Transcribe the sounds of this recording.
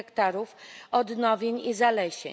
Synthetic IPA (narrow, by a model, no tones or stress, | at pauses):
ɛkt̪aɾufɔd̪nɔvʲjeɲizalɛɕḛ